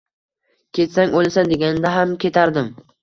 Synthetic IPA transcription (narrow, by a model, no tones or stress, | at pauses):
kʲʰe̞t̪saŋʲolsand̪e̞ɡʲanɪd̪aɦamkʲʰe̞t̪ʰaɾd̪ɪm